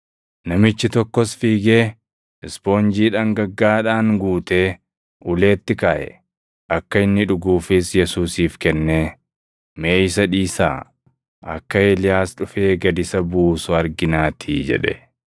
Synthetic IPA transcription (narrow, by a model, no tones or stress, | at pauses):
nɐmɪt͡ʃːɪt̪ɔkːɔsfiːɡe̞ː | ɪspo̞ːnd͡ʒiːᶑɐŋɡɐɡːaːᶑaːŋɡuːt̪e̞ː | ʔʊle̞ːt̪ːɪkaːʔɛ̰ | ʔɐkːɐɪnːɪᶑʊɡuːfɪsjɛsuːsiːfkɛnːeː | me̞ːjɪsɐᶑiːsa̰ː | ʔɐ̰kːɐelɪjaːsᶑʊfe̞ːɡɐd̪ɪsɐbuːsʊɐɾɡɪnaːt̪ʰḭːd͡ʒɛ̰ᶑɛ̰